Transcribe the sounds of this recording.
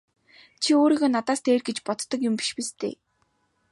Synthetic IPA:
t͡ɕʰioːɾiːɣoːnat̪aːst̪eːrɡet͡ɕpɔt̪ːɞ̆kjʊmpi̥ʃpist̪ḛː

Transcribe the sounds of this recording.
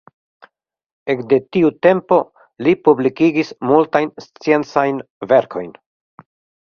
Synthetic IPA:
e̞kde̞tiute̞mpo̞ | lipublikiɡismultajnst͡sie̞nt͡sajn | ve̞ɾkʰo̞̰jn

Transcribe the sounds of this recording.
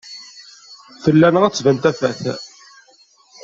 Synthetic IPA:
θəlːænəʁæt͡sːvənt̪æfæθæ̰

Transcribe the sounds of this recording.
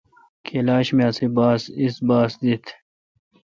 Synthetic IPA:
kʰelaːɕmeasibaːsisbaːsd̪it̪ʰ

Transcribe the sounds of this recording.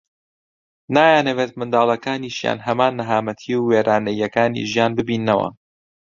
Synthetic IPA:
naːjaːnɐweːt̪̚mɨnd̪aːlˠɐkaːniːʃja̰ːnɦɐmaːnːɐɦaːmɐt̪ʰiːwweːɾʔaːnɐjɐkaːnḭʒijaːnbɨbiːnːɐwɐ̰

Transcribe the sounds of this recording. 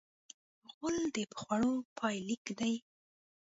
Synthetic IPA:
ɣʊld̪əpə̥xwaɽopʰɑjlikd̪aj

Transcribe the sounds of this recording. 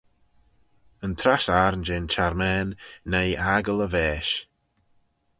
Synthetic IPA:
ənt̪ʰɾasaɾnd͡ʒeːnt͡ʃʰaɾmɛːnːejaɡələvɛːʃ

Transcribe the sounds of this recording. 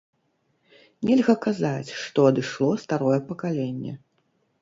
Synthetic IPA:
nʲɛlʲɣɐkazat͡sʲʂt̪ɔɐd̪ɨʂlˠɔst̪aɾɔjɛpɐkalʲenʲːɛ̰

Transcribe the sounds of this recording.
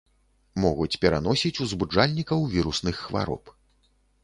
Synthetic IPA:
mɔɣut͡sʲpʲɛɾanɔsʲit͡sʲuzbud͡ʐalʲnʲikɐwvʲiɾusnɨxːva̰ɾɔ̰p

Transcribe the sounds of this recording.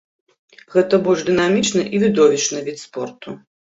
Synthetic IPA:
ɣɛt̪ɐbɔʐd̪ɨnamʲit͡ʂnɐʔivʲid̪ɔvʲit͡ʂnɐvʲit̪spɔrt̪u

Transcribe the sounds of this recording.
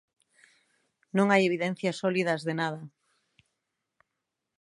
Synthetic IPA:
nõŋajeβ̞iðɛn̟θjɐsɔliðɐzðenað̞ɐ

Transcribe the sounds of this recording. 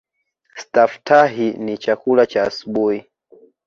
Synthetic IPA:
staftaɦinit͡ʃakulat͡ʃaːsuɓuhi

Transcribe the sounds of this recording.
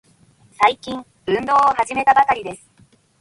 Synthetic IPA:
saikʲĩɴ | bɯ̟̃nd̪o̞ːoɦaʑime̞t̪abakaɾʲid̪e̞sɨ̥

